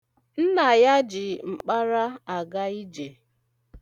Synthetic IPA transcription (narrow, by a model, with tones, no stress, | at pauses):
n̩˦na˨ja˦d͡ʒɪ˨ŋ͡m̩˨k͡pa˦ɾa˦a˨ɡa˦i˦d͡ʒe˨